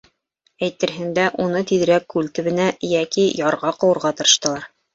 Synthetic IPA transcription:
æjt̪ɘ̆ɾɦɘ̆nd̪æʔunɤt̪iðɘ̆ɾækːʉlt̪ɘ̆βɘ̆næjækijɑɾʁɑqɤ̆wɤ̆ɾʁɑt̪ɤ̆ɾɤ̆ʃt̪ɤ̆lˠɑɾ

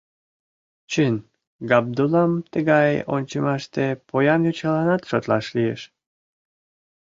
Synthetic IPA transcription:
t͡ɕən | ɡɑb̚d̪ulɑmt̪əɣɑjo̰nʲt͡ɕəmɑʃt̪epojɑnjot͡ɕɑlɑnɑt̪ʃot̪lɑ̰ʃlijḛʃ

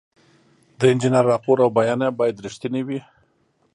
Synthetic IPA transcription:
d̪əɪnd͡ʒɪnaɾːɑpoɾawbajɑnabɑjad̪ɾiʃt̪iniwi

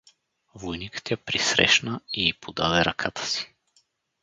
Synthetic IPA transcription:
vojnikə̥t̪japɾisɾɛ̰ʃnəiːpʰod̪ad̪ɛɾɐkʰat̪ə̥si̥

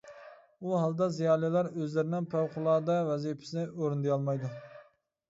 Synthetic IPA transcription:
uɦɑlˠd̪ɑzijɑːlˠilˠɑɾøzlɪɾɪnɪŋpʰæwqʰʊlˠɑːd̪ɑvɛzipʰɪ̥sɪnɪʔoɾund̪ejɑlˠmɑjd̪u

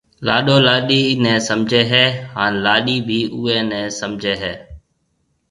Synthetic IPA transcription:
la̰ːɗoːlaːɗiːnɛ̃ːsəmd͡ʒʱeːɦɛːhaːnlaːɗiːbʱiːʔʊːeːnɛ̃ːsəmd͡ʒʱeːɦɛː

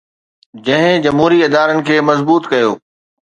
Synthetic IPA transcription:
d͡ʑɐ̃ɦɪ̃d͡ʑɐmɦuːɾiɪd̪aːɾənɪ̆kʰeːmɐzbuːt̪kɐjoː

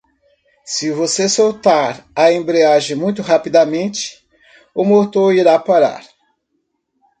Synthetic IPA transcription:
sɪvosesowt̪aɾɐẽmbɾeaʒẽmũj̃t̪ʊɦapid̪ɐmẽnt͡ʃɪ̥ | ʊmoɾt̪oɾiɾapaɾa̰ɾ

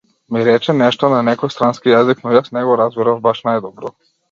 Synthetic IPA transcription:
miɾɛt͡ʃɛnɛʃt̪ɔnanɛkɔjst̪ɾanskijaziknɔjasnɛɡɔɾazɡɔɾavbaʃnajd̪ɔbɾɔ

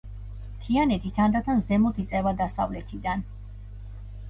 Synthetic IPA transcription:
t̪ʰianɛt̪ʰit̪ʰand̪at̪ʰanzɛmɔt̪ʰit̪sʼɛvad̪asa̰vlɛt̪ʰid̪an

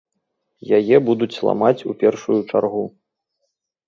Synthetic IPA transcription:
jajɛbud̪ut͡sʲlˠa̰mat͡sʲupʲɛrʂujut͡ʂarɣu

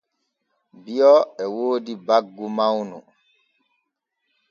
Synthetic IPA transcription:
bijɔɛwoːdibaɡːumawnu

